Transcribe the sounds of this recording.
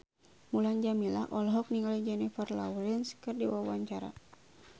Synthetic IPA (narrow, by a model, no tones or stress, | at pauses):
muland͡ʒamila̰hʔɔlɔɦɔk̚niŋalid͡ʒɛnifərla̰ulɛnskɨrdiwawaɲt͡ʃaɾa̰